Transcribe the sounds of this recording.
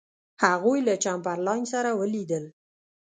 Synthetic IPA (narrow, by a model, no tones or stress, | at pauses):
haɣojlat͡ʃampaɾlɑjnsaɾawəlid̪əl